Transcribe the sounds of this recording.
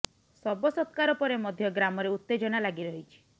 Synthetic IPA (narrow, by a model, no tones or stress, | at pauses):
sɔbɔsɔt̪kaɾɔpɔɾemɔd̪ʱjɔɡɾamɔɾeut̪ːed͡ʒɔnalaɡiɾɔɦit͡ʃʰi̥